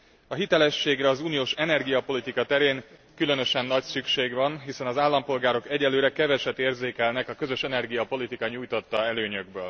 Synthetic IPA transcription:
ɒɦit̪ɛlɛʃːeːɡrɛɒzuːnijoːʃɛnɛrɡijɒpo̞lit̪ikɒt̪ɛɾeːŋkylø̞nø̞ʃɛnːɒcsykʃeːɡʋɒnɦisɛnɒzaːlːɒmpo̞lɡaːɾo̞kɛɟɛlːøːɾɛkɛvɛʃɛt̪ːeːrzeːkɛlnɛkɒkø̞zø̞ʃɛnɛrɡijɒpo̞lit̪ikɒɲuːjt̪o̞t̪ːɒɛløːɲøɡ̚bø̰ːl

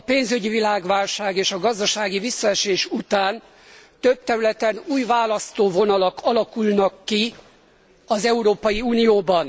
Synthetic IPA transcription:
ɒpeːnzyɟivilaːɡʋaːlʃaːɡeːʃɒɡɒzd̪ɒʃaːɡivisːɒɛʃeːʃut̪aːn | t̪øb̚t̪ɛɾylɛt̪ɛnuːjvaːlɒst̪oːvo̞nɒlɒkʰɒlɒkulnɒkːi | ɒzɛuɾoːpɒjiuːnijoːbɒn

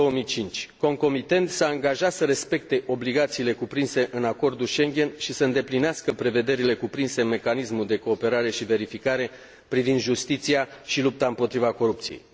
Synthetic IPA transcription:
owəmijt͡ʃint͡ʃʲko̞ŋko̞mit̪e̞nt̪saɨŋɡaʒat̪səɾe̞spe̞k̚t̪e̞ʔo̞bliɡat̪siːle̞kupɾinse̞ʔɨnako̞rd̪ulʃe̞ŋɡʲe̞nʃisəɨnd̪e̞plineaskəpɾe̞ve̞d̪e̞ɾile̞kupɾinse̞ɨme̞kanismuld̪e̞ko̞ːpe̞ɾaɾe̞ʃive̞ɾifikaɾe̞ | pɾivind̪ʒust̪it̪sijaʃilup̚t̪aɨmpo̞t̪ɾivako̞ɾup̚t̪sijḛj

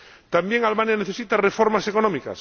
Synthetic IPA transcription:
t̪ambjeŋaleanjaneθe̞sit̪arefoɾmasekonõmika̰s

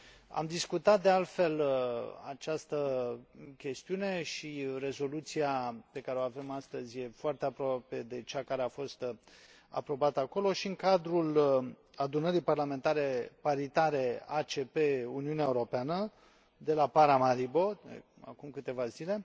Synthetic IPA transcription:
a̰md̪iskut̪at̪̚d̪ealt̪fe̞la̰t͡ʃast̪ə | kʲe̞st̪iune̞ʃire̞zo̞lut̪siape̞kaɾeoave̞mast̪əzʲje̞foart̪e̞apɾoape̞d̪e̞t͡ʃakaɾeafo̞st̪ | a̰pɾo̞bat̪əako̞lo̞ʃiɨŋkad̪ɾul | ad̪unəɾijparlame̞nt̪aɾe̞paɾit̪aɾe̞at͡ʃe̞pe̞uniuneaeuɾo̞peanə | d̪e̞lapaɾamaɾibo̞d̪ḛ | a̰kumkɨt̪e̞vazile̞

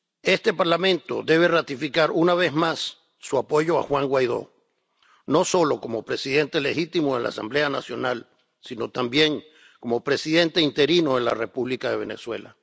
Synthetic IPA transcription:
e̞st̪e̞paɾlamẽnt̪o̞̰d̪e̞β̞e̞rat̪ifikaɾunaβe̞zmasː | uapo̞ʝo̞a̰xwaŋɡwajð̞o̞̰ | no̞so̞lo̞ko̞mo̞pɾe̞siðe̞nt̪e̞le̞xit̪imoðe̞la̰asa̰mble̞anasjo̞nal | sino̞t̪ambje̞ŋ | ko̞mo̞pɾe̞siðe̞nt̪e̞int̪e̞ɾino̞ðela̰re̞puβlikaðe̞β̞e̞ne̞̰swe̞̰la̰

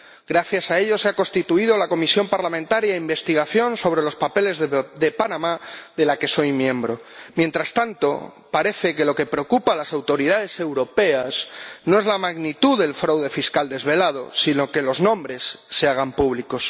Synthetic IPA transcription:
ɡɾaθjasae̞ʎo̞seako̞nst̪it̪uið̞o̞lako̞misjo̞mpaɾlamẽnt̪aɾjaimbe̞st̪iɣ̞aθjo̞nso̞β̞ɾe̞lo̞spape̞le̞zðe̞panamaðe̞lake̞so̞jmjẽ̞mbɾo̞mje̞nt̪ɾast̪ant̪o̞̰ | paɾe̞θe̞ke̞lo̞ke̞pɾeokupalasawt̪o̞ɾiðaðe̞se̞wɾo̞pe̞asnoe̞zlamaɣnit̪uðe̞lfɾawðe̞fiskald̪e̞zβe̞lað̞o̞̰sino̞ke̞lo̞znõ̞mbɾe̞sːeaɣ̞ampuβliko̞s

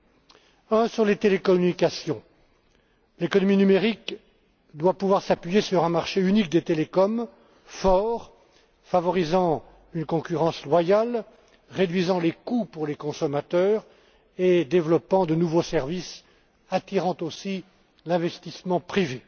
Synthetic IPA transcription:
ɛ̃syʁlet̪elekɔmynikasjɔ̃ | lekɔnɔminymeʁik | d̪wapuvwaʁsapɥijesyʁɛ̃maʁʃeynik̚d̪et̪elekɔm | fɔʁ | favɔʁizɑ̃ | ynkɔ̃kʲyʁɑ̃slwajal | ʁed̪ɥizɑ̃lekupuʁlekɔ̃sɔmat̪œːʁ | ed̪evlɔpɑ̃d̪ənuvosɛʁvis | at̪iʁɑ̃t̪osi | lɛ̃vɛst̪ismɑ̃pχive

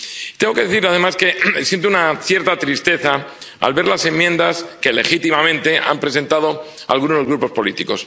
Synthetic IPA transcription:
t̪eŋɡo̞ke̞ðeθiɾaðe̞maske̞sje̞nt̪̬ounaθje̞ɾt̪at̪ɾist̪e̞θaa̰lβe̞ɾlase̞mːje̞nd̪aske̞le̞xit̪imamẽ̞nt̪e̞ʔa̰mpɾese̞nt̪að̞o̞ | a̰lɣuno̞zɣɾupo̞spo̞lit̪iko̞s

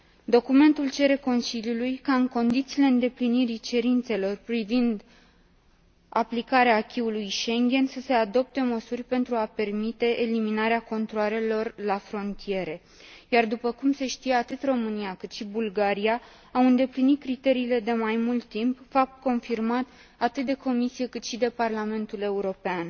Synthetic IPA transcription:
d̪o̞kume̞nt̪ult͡ʃe̞ɾe̞ko̞nsiljulujkaɨŋko̞nd̪it̪siːleɨnd̪e̞pliniɾit͡ʃe̞ɾint̪se̞lo̞rpɾivind̪ | aplikaɾeaːkʲiulujʃe̞ŋɡʲe̞nsəse̞ad̪o̞p̚t̪e̞məsurʲpe̞nt̪ɾuape̞rmit̪e̞ʔːliminaɾeako̞nt̪ɾoaɾe̞lo̞rlafɾo̞nt̪ije̞ɾe̞ | jard̪upəkumse̞ʃt̪ije̞at̪ɨt̪ro̞mɨnijakɨt̪ʃibulɡaɾija | awɨnd̪e̞plinit̪̚kɾit̪e̞ɾiːle̞d̪e̞majmult̪ːimpfap̚t̪̚ko̞nfirmat̪ | at̪ɨt̪̚d̪e̞ko̞misijekɨt̪ʃid̪e̞parlame̞nt̪ule̞uɾo̞pean

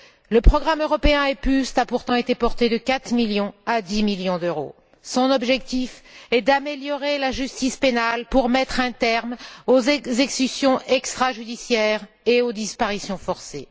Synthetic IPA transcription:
ləpχɔɡʁamøʁɔpeɛ̃ɛpyst̪apuʁt̪ɑ̃et̪epɔʁt̪ed̪əkat̪miljɔ̃ad̪imiljɔ̃d̪øʁo̰ | sɔ̃nɔbʒɛk̚t̪ifɛd̪ameljɔʁelaʒyst̪ispenalpuʁmɛt̪χɛ̃t̪ɛʁmozɛzekkysjɔ̃ʔɛkst̪χaʒyd̪isjɛʁ | eod̪ispaʁisjɔ̃fɔʁse

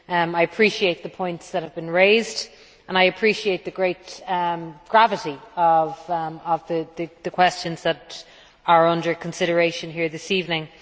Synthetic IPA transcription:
maɪəpʰɹ̥iʃieɪt̪̚ðəpʰɔ̃ɪ̃ntsðət̚həvbɨ̃nɹeɪzd | ə̃naɪəpʰɹ̥iʃieɪt̪̚ðəɡɹeɪt̚ʌmɡ̥ɹavəɾiʌvəvðəðəðəkʰw̥ɛst͡ʃə̃nzðəɾ | ə˞ʌ̃ndə˞kʰə̃nsɪɾə˞eɪʃə̃nɦiɹðɪsiːvnɪ̃ŋ

